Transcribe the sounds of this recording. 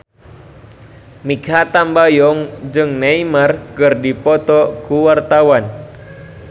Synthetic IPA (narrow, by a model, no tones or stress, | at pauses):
mikɦat̪ambajɔŋd͡ʒɨŋnaimarkɨrdipɔt̪ɔkuwart̪awan